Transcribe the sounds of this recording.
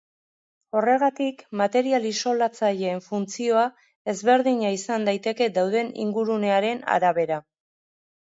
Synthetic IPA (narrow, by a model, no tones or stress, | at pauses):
o̞re̞ɣ̞at̪ikmat̪e̞ɾialiso̞lat͡saʎe̞ːɱfunt͡sio̞a | e̞zβe̞ɾðiɲaisand̪ajt̪e̞ke̞d̪awð̞e̞nḭŋɡuɾune̞aɾe̞na̰ɾaβe̞ɾa